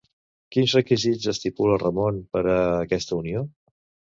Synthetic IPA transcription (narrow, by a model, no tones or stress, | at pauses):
kinzrəkizid͡zəst̪ipulərəmonpəɾəːkɛst̪əunio